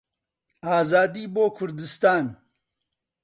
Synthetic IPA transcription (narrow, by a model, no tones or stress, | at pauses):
aːzaːd̪iːboːkʰʊɾd̪ɪst̪aːn